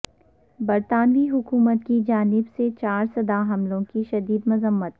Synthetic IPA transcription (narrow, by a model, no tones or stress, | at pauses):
bɐɾt̪aːnʋiɦʊkuːmət̪kid͡ʒaːnɪbset͡ʃaːɾsɐd̪aɦɐmlõkiʃɐd̪iːd̪mʊzəmːət̪̚